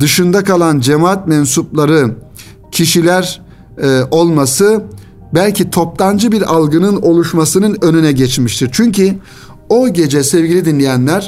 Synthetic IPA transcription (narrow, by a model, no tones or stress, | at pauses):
d̪̥ɯʃɯnd̪akʰalˠand͡ʒemaat̪̚mɛnsuplˠaɾɯ | cʰiʃilʲæɾ | o̞lˠmasɯ | bælʲcʰit̪ʰo̞p̚lˠand͡ʒɯbiɾalˠɡɯnɯno̞lˠuʃmasɯnɯnø̞nynɛɟɛt͡ʃmiʃt̪ʰiɾt͡ʃʰyɲcʰi | o̞ɟe̞d͡ʒɛsɛvɟilʲid̪inlʲejænlʲæɾ̥